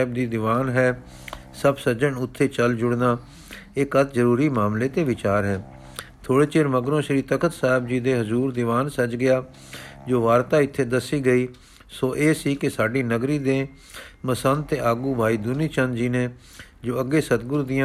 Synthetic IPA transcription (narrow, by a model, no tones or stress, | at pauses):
b̚d̪iːd̪ɪʋaːnɦɛː | səbsəd͡ʒəɳʊt̪ʰːeːt͡ʃəld͡ʒʊɽnaː | ɪkət̪ʰzəɾuːɾiːmaːmleːt̪eːʋɪt͡ʃaːɾɦɛː | t̪ʰoːɽeːt͡ʃeːɾməɡɾõːʃɾiːt̪əkət̪saːɦɪb̚d͡ʒiːd̪eːɦəzuːɾd̪ɪʋaːnsəd͡ʒɡɪjaː | d͡ʒoːʋaːɾt̪aːɪt̪ʰːeːd̪əsːiːɡəiː | soːʔeːsiːkɪsaːɖiːnəɡɾiːd̪eː | məsənt̪eːʔaːɡuːbʱaːiːd̪ʊniːt͡ʃənd͡ʒiːneː | d͡ʒoːəɡːeːsət̪̚ɡʊɾd̪ɪjã